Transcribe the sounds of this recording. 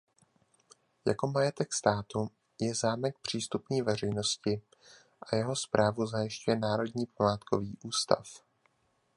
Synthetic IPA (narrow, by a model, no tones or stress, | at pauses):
jako̞majɛt̪ɛkst̪aːt̪u | jɛzaːmɛk̚pr̝̥iːst̪upniːvɛr̝ɛjno̞scɪ | ʔajɛɦo̞spɾaːvuzajɪʃcujɛnaːɾo̞dɲiːpamaːt̪ko̞viːʔuːst̪a̰f